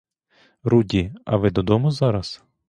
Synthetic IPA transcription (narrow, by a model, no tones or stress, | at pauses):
ɾudʲiɐ̰ʋɪd̪ɔd̪ɔmʊzɑɾɐs